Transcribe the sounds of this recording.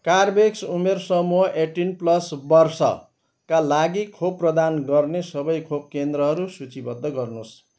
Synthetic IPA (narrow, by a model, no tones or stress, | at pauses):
karbeksumersʌmuɦʌʔeʈinplʌsbʌrsʌ̰ | kalaɡikʰob̚prʌd̪anɡʌrnesʌbʌjkʰob̚kend̪rʌɦʌɾusut͡sibʌd̪ʱːʌɡʌrnus